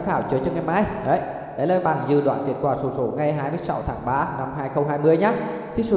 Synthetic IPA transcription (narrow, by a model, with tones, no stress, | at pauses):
xaː˧˩wt͡ɕəː˨˦jt͡ɕɔ˧ŋa˨˩jmaː˧jɗə˨˦j | ɗə̰˨˦jlaː˨˩ɓaː˨˩nzɨ̰˧˩ɗwa̰ː˧˨nki˨˩ət̚kwaː˧˩so˨˧˩so˧˩˦ŋa˨˩jɦaː˧jmɨ˧əjsa˨˦wt̪ʰaː˨˦ŋɓaː˧na˧mhɦaː˧jxə˧wŋ͡mɦaː˧jmɨ˧əjɲa˨˦˥ | t̪ʰi˨˧˩so˨˧˦